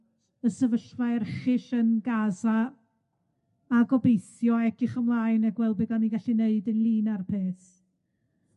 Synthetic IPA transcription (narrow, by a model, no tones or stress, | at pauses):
əsəvəɬvajrχɪɬənɡaza | aɡɔbejθjɔɛkʰɪχəmlˠaːɨnaɡwɛlˠbɪɡaniɡaɬineɨdənlˠiːnarpʰeːθ